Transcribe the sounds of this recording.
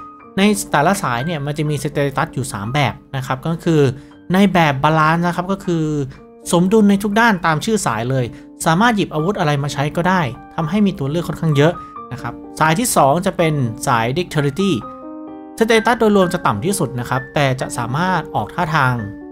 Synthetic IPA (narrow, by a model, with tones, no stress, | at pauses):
na˧jt̪ɛː˨˩la˦˥saː˩˦jni˥˩ɐma˧nt͡ɕa˨˩miː˧seː˧˥t̪e˧i˧t̪a˦˥t̪̚juː˨˩sa̰ː˩˦mbɛː˨˩p̚na˦˥kʰa˦˥p̚kɔː˥˩kʰɯː˧ | na˧jbɛː˨˩p̚baː˧laː˧˥nna˦˥kʰa˦˥p̚kɔː˥˩kʰɯː˧ | so˨˩˦mdu˧nːa˧jt̪ʰu˦˥k̚daː˥˩nt̪aː˧mt͡ɕʰɯː˥˩sa̰ː˩˦jlɤː˧j | saː˨˩˦maː˥˩t̪̚ji˨˩p̚ʔaː˧wu˦˥t̪̚ʔa˧ɾa˧jmaː˧t͡ɕʰa˦˥jkɔː˥˩daː˥˩jt̪ʰa˧mɦa˥˩jmiː˧t̪u˧ɐlɯ˥˩kʰːɔ˥˩nkʰa˥˩ŋjɤ˦˥ʔna˦˥kʰa˦˥p̚saː˩˦jt̪ʰiː˥˩sɔː˩˦ŋt͡ɕa˨˩pe˧nsaː˩˦jdi˦˥k̚t̪ʰe˧li˦˧t̪iː˥˩ | seː˧˥t̪e˧t̪a˦˥t̪̚doː˧jɾu˧əmt͡ɕa˨˩t̪a˨˩mt̪ʰiː˥˩su˨˩t̪̚na˦˥kʰa˦˥p̚t̪ɛː˨˩t͡ɕa̰˨˩ʔsaː˩˦maː˥˩t̪̚ʔɔː˨˩k̚t̪ʰaː˥˩t̪ʰaː˧ŋ